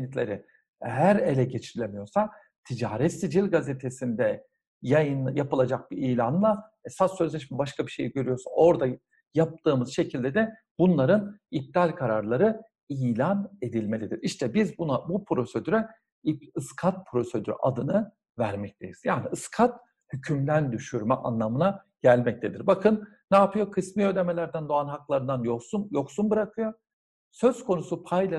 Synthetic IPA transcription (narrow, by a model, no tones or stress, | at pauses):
itlʲeɾi | ɦæɾe̞lʲɛɟet͡ʃʰiɾilʲemijo̞ɾsa | t̪ʰid͡ʒaːɾɛt̪sid͡ʒilʲɡazet̪ʰesind̪ɛ | jajɯnjapɯlˠad͡ʒak̚biiːlʲanlˠa | ɛsasøzlʲeʃimibaʃkʰabiʃe̞jiɟø̞ɾyjo̞ɾsuno̞ɾd̪a | jap̚t̪ɯːmɯz̥ʃe̞cʰilʲd̪ed̪ɛbunlˠaɾɯnib̚t̪alʲkʰaɾaɾlˠaɾɯ | iːlʲane̞d̪ilʲme̞lʲid̪iɾiʃt̪ʰɛbizbunabupʰɾo̞se̞d̪yɾɛ | iɯskʰat̪̚pʰɾo̞se̞d̪yɾ̰ʔad̪ɯnɯ | væɾmɛc̚t̪ʰejiz̥jaːniʔɯskʰat̪ | hycʰymd̪ænd̪yʃyɾmɛʔa̰nlˠamɯnaɟ̥ælʲmɛc̚t̪ʰed̪iɾbakʰɯnː | aːpʰɯjo̞kʰɯsmijø̞jlʲe̞me̞lʲæɾd̪ænd̪o̞anɦaklˠaɾɯnd̪anjosunjo̞ksunbɯɾakʰɯjo | sø̞z̥kʰo̞nusupʰajlʲa